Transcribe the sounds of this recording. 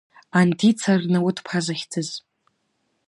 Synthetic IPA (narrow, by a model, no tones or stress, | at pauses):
antʰit͡sʰarnɨwʊtʰpʰazaχʲtʰɨz